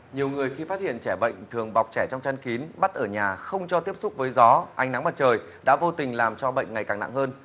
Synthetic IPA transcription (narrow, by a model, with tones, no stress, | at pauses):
ɲi˨˩əwŋɨ˨˩əjxi˧faː˦˥t̚hḭ˧˨ənt͡ɕɛ˧˩ɓə̰˧˨jŋ̟t̪ʰɨ˨˩əŋɓa˨˩wk͡p̚t͡ɕɛː˧˩t͡ɕɔ˧wŋ͡mt͡ɕa˧nki˨˦nɓa˦˥t̚ʔəː˧˩ɲaː˨˩xə˧wŋ͡mt͡ɕɔ˧t̪i˦˥əp̚sʊ˦˥k͡p̚vəː˨˦jzɔ˨˦ʔa˧jŋ̟na˨˦ŋma˨˩t̚t͡ɕəː˨˩j | ɗa̰ː˧˥vo˧t̪ï˨˩ŋ̟laː˨˩mt͡ɕɔ˧ɓə̰˧˨jŋ̟ŋa˨˩jkaː˨˩na̰˧˨ŋhəː˧n